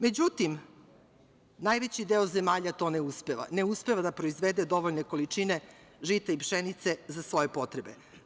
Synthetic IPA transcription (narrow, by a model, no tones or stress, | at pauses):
me̞d͡ʑut̪im | najʋe̞t͡ɕid̪eozemaːʎat̪o̞neuspe̞ʋa̰ne̞uspe̞ʋad̪apɾoizʋed̪e̞d̪o̞ʋoʎne̞ko̞lit͡ʂine̞ʒit̪eipʃenit̪se̞zasʋo̞je̞po̞t̪ɾebe